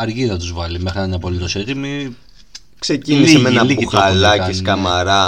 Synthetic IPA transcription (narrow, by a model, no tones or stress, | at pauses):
ɐɾʝiðɐt̪uzvɐlimexɾinɐnɐpo̞lit̪o̞set̪imi | kse̞cinisemenɐiuxɐlɐciskɐmɐɾɐ